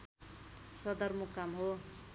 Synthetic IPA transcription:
sʌd̪ʌrmukːamɦo

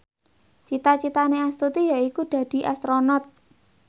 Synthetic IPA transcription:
t͡ʃit̪at͡ʃit̪aneast̪ut̪ijaikud̪̥ä̤d̪̥i̤ʔast̪ɾonɔt̪̚

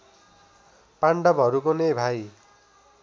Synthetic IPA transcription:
paɳɖʌbɦʌɾukonebʱaj

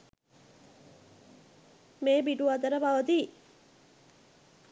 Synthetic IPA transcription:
meːbiʈuad̪əɾəbaʋəd̪iː

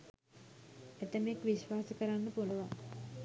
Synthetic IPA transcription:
et̪əmekʋiɕʋaːsəkəɾanːəpuləʋa

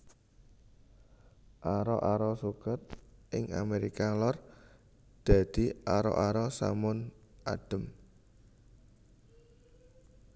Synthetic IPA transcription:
ʔaɾɔ̰ʔaɾɔsukət̪̚ʔɪŋa̰meɾikalɔr | d̪̥a̤d̪̥i̤ʔaɾɔ̰ʔaɾɔsa̰mʊnʔaɖ̪̥ə̤m

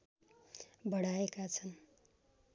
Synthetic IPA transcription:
bʌɽaekat͡sʰʌn

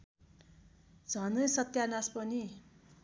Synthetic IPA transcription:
d͡zʱʌnʌjsʌt̪janaspʌni

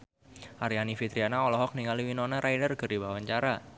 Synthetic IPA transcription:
ʔaɾianifit̪ɾianaɔlɔɦɔk̚niŋaliwinɔnɛɾajnərɡ̥ərdibawaɲt͡ʃaɾa

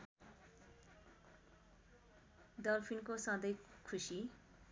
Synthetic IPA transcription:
d̪ʌlpʰinkosãd̪ʌjkʰusi

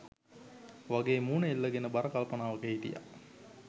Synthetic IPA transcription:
ʋaɡeːmuːnəilːəɡenəbaɾəkalpənaːʋəkəɦit̪ḭja̰

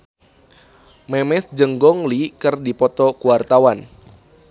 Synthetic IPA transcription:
mɛmɛsd͡ʒəŋɡɔŋlikərdipɔt̪ɔkuwart̪awan

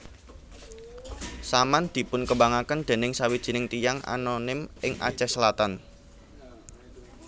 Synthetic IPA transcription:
samand̪̥i̤pʊnkəbaŋakənd̪̥e̤nɪŋsawid̥ʒ̥i̤nɪŋt̪ijaŋʔa̰nonɪmɪŋʔa̰̥t͡ʃɛsəlat̪an

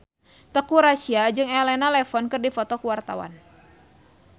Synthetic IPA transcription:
t̪əkuɾasiad͡ʒɨŋɛlɛnalɛfɔnkɨrdifɔt̪ɔkəwart̪a̰wa̰n

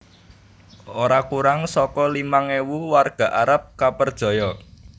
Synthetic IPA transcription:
oɾakuɾaŋsɔkɔlimaŋewuwarɡ̥ä̤ʔaɾap̚kapərd̥ʒ̥ɔ̤jɔ

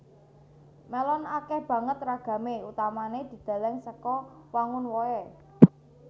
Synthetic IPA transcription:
mɛlɔnakɛhb̥ä̤ŋət̪raɡ̥ä̤meut̪amaned̪̥i̤d̪̥ä̤lɛŋsəkɔwaŋʊnwɔɛ

